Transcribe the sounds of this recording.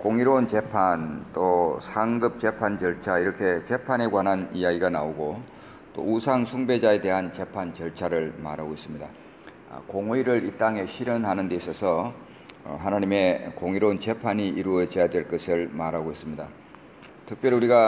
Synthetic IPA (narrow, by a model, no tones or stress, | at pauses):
koŋiɾount͡ɕe̞pʰant͈osʰaŋɡɯp̚t͡ɕe̞pʰant͡ɕʌɭt͡ɕʰaiɾʌkʰe̞t͡ɕe̞pʰane̞ɡwanɦanijaɡiɡanaoɡo | t͈o̰usʰaŋsʰuŋbe̞d͡ʑae̞de̞ɦant͡ɕe̞pʰant͡ɕʌɭt͡ɕʰaɾɯɭma̰ɾɦaɡois͈ɯmɲida̰ | koŋoiɾɯɾit͈aŋe̞ɕʰiɾʌnɦanɯnde̞isʰʌsʰʌ̰ | ɦanaɲime̞koŋiɾount͡ɕe̞pʰaɲiʔiɾuʌd͡ʑʌjadwe̞ɭk͈ʌsʰɯɭmaɾɦaɡois͈ɯmɲida | tʰɯk̚p͈jʌɾouɾiɡa